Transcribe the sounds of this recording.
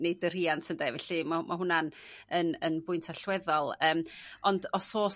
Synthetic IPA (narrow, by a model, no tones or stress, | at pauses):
nejdər̥iantʰəndɛvɛɬimamʔaɦʊnanənənbʊɨntʰaɬwɛðɔlˠəːmɔndɔsoːs